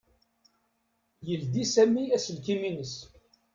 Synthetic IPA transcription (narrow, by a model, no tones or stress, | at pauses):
jəld̪isæmːiæsəlkiminəs